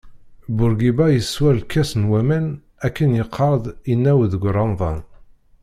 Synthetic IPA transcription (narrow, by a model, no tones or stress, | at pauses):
bʊɾɡibæjəswæɾlkːæsnwæmæn | ækːənjəqʰːɑɾˤd̪ˤinːæwðəɡʷɾˤɑnðˤɑ̰n